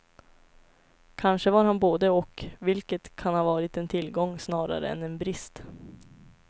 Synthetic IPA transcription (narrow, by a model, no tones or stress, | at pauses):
kʰanʂəvaɾhanboːd̪əɔkvɪlkət̪kʰanhɑːvɑːɾɪt̪ɛnt̪ʰɪlːɡɔŋːsnɑːɾa̰ɾə̰ɛ̰nɛnbɾɪst̪